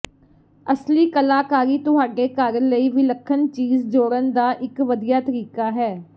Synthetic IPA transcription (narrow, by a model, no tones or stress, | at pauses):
əsliːkəlaːkaːɾiːt̪ʊɦaːɖeːkaːɾələiːʋiːləkʰːənt͡ʃiːzd͡ʒoːɾənd̪aːʔɪkʋəd̪ijaːt̪əɾiːkaːɦɛː